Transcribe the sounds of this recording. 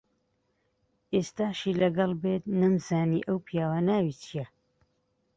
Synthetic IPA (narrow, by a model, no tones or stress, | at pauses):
ʔeːst̪aːʃiːlɐɡɐlˠbeːt̪̚nɨmzaːnḭːʔəwpʰijaːwaːnaːwiːt͡ʃʰijɛ